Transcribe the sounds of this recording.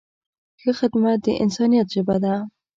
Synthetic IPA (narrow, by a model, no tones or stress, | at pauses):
xəxɪd̪mat̪̚d̪əʔɪ̰nsɑnijat̪ʒɪbad̪a